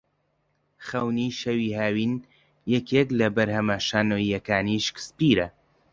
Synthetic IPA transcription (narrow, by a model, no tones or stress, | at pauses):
χɐwniʃɐwiːhaːwiːn | jɛkʰeklɐbɐɾhɐmɐʃaːnoːiɐkaːniʃkspiːɾɐ